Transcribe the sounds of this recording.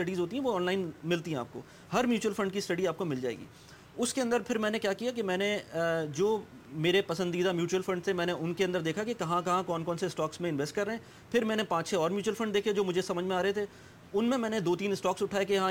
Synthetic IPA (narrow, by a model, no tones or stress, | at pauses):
ʈɐɖizɦoːt̪iɦɛ̃ʋoɔːnlaːɪnmɪlt̪iɦɛ̃a̰ːp̚ko̰ː | hɐɾmjuːt͡ʃuəlfɐ̃ɳɖkisʈɐɖiaːp̚komɪld͡ʒa̰ːḛːɡḭː | ʊskeɐ̃nd̪əɾpʰɪɾmɛ̃ːnekjaːkijak̬emɛ̃ːned͡ʒoː | meːɾepɐsə̃nd̪iːd̪amjuːt͡ʃuwəlfɐ̃ɳɖt̪ʰemɛ̃ːneʔʊnkeɐ̃nd̪əɾd̪eːkʰakekɐɦãkɐɦãkɔːnkɔːnseɪsʈɔːksmẽɪ̃nʋeːsʈkɐɾːəɦɛ̃ː | pʰɪɾmɛ̃ːnepãːt͡ʃsʰeɔːɾmjuːt͡ʃuwəlfɐ̃ɳɖd̪eːkʰed͡ʒoːmʊd͡ʒʱesɐməd͡ʒʱmẽaːɾɐɦet̪ʰeː | ʊnmẽmɛ̃ːned̪oːt̪iːnɪsʈɔːksʊʈʰaːekeɦã